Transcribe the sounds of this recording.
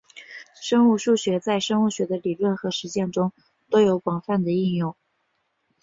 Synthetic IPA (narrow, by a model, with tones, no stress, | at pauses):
ʂɤ˥ŋu˥˧ʂu˥˩ɕɥɛ˧˥t͡sa˥˩ɪʂɤ˥ŋu˥˩ɕɥɛ˧˥d̪ə˧li˨˩lwə˥˩nxɤ˧˥ʂɻ̩˧˥t͡ɕjɛ˥˩nʈ͡ʂʊ˥ŋ | t̪o˥ʊjo˧˥ʊpɑ˨˩ŋfa˥˩nd̪ə˩i˥˧njʊ˥˩ŋ